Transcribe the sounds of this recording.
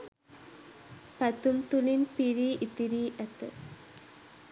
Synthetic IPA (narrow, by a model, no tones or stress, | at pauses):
pɐt̪umt̪ulinpiɾiːʔit̪ːiɾiːʔæt̪ə̰